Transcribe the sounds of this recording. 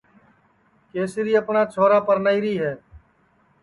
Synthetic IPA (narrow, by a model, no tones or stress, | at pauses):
keːsɪɾiːəpnaːt͡ʃʰoːɾaːpəɾnəiːɾiːɦɛː